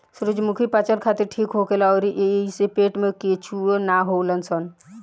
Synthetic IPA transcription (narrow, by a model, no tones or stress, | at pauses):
sʊɾud͡ʒmukʰipat͡ʃəɾkʰaːt̪iɾʈʰiːkɦokelaɔːɾiʔesepeːʈmẽket͡ʃʰuenaɦolənsɔn